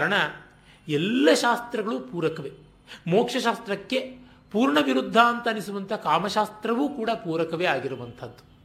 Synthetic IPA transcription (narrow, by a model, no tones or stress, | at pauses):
aɾɐɳɐ | ɛlːɐʃaːst̪ɾɐɡɐɭupuːɾɐkɐʋe | moːkʂɐʃaːst̪ɾɐkːe̞ | puːɾɳɐʋiɾud̪ʱːaːnt̪ɐːnisuʋɐnt̪ʰɐkaːmɐʃaːst̪ɾɐʋuːkuːɽɐpuːɾɐkɐʋeaːɡiɾuʋɐnt̪ʰɐd̪ːu̥